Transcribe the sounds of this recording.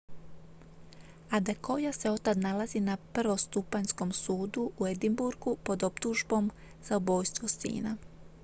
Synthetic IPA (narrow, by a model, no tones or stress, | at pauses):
ad̪ako̞jase̞o̞t̪ad̪nalazinapr̩ʋo̞st̪upaɲsko̞msuːd̪uued̪imbuɾɡupo̞d̪opt̪uʒbo̞m | z̥aobo̞ːjst̪ʋo̞sḭːna